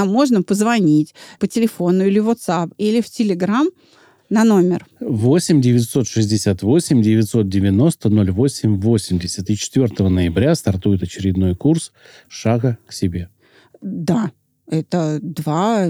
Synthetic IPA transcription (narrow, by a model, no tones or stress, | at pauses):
mːo̞ʐnəpəzvɐnʲitʲpətʲɪlʲɪfo̞nʊilʲɪvot̪sapilʲɪftʲɪlʲɪɡɾam | nɐno̞mʲɪ̰rvo̞sʲɪmʲdʲɪvʲɪt̪so̞t̪ʂɨzʲdʲɪsʲat̪vo̞sʲɪmʲdʲɪvʲɪt̪so̞t̪̚dʲɪvʲɪno̞st̪əno̞lʲvo̞sʲɪmʲvo̞sʲɪmʲdʲɪsʲət̪ɨt͡ɕɪ̥t̪vʲo̞rt̪əvənəjɪbɾʲast̪ɐrt̪ujɪt̪ɐt͡ɕɪɾʲɪd̪no̞jkurs | ʂaɡəksʲɪbʲe̞ | d̪a | ɛt̪əd̪va